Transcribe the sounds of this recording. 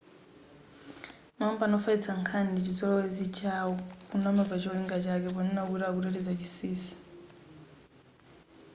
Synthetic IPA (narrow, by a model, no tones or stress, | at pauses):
mampanɔfait͡sʰaŋkʰandit͡ʃizɔlɔwɛzit͡ʃʰawɔkunɔmɛpat͡ʃɔliŋɡat͡ʃakɛpɔnɛnakuɾakuɾɛɾɛzat͡ʃisiːsi̥